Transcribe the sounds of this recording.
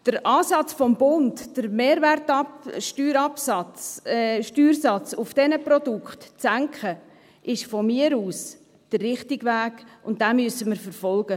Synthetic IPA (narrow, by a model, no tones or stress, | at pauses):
d̥əɾʔɑːsɑt͡sfɔmbʊntd̥əɾmeːɾværtɑpʃtyːɾɑpsɑt͡sʃtyːɾsɑt͡sʊfd̥ɛnəpɾɔd̥ʊkχtt͡sæŋkχə | ʔɪʃfɔmiəɾuːs | d̥ərːɪχtɪɡʋæːɡ̥ʊnt̚d̥amyəsəməɾfəɾfɔlɡ̥ə